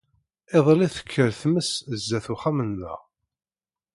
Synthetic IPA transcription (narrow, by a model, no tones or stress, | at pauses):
eðˤliθə̥kʰːəɾθməsəzːæθuχæmənðæ̰ʁ